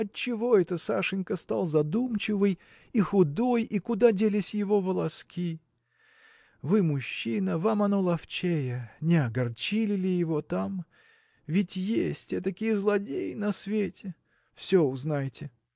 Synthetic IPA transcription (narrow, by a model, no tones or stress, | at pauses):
ɐt̚t͡ɕːɪvo̞ɛt̪əsa̰ʂɨnʲkəst̪alˠzɐd̪umt͡ɕɪvɨj | ixʊd̪o̞jikʊd̪adʲelʲɪsʲjɪvo̞vəlˠɐskʲi | vɨmʊɕːinəvamɐno̞lˠɐft͡ɕejənʲɪɐɡɐrt͡ɕilʲɪlʲɪjɪvo̞t̪am | vʲɪtʲjesʲtʲɛt̪əkʲijəzlˠɐdʲejɪnɐsvʲetʲɪ | fsʲoʊznajɪtʲɪ